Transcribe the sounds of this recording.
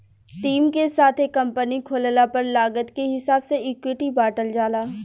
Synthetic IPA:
ʈiːmkesaːt̪ʰekːɐ̃mpənikʰoːllapɐɾlaːɡət̪keɦɪsaːbseɪkwɪʈibaːʈəld͡ʒaːlaː

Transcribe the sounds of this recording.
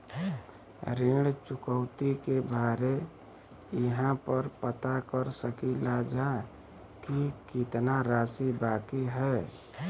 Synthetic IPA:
ɾiɽt͡ʃʊkəʊt̪ikebʱaɾe | ɪɦãpəɾpət̪akəɾsəkilad͡ʒa | kikɪt̪naɾaːsibaːkiɦɛː

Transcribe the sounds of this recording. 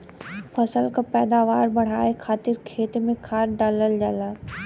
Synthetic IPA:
pʰɐsəlkapɛːd̪aːʋaːɾbɐɽ̤aːekʰaːt̪ɪɾkʰeːt̪emẽkʰaːɾɖaːləld͡ʑaːlaː

